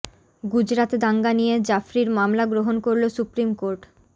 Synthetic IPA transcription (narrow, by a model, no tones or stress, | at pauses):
ɡud͡ʑɾat̪d̪aŋɡanijed͡ʑafɾiɾmamlaɡɾoɦonkoɾlosupɾimkoɾʈ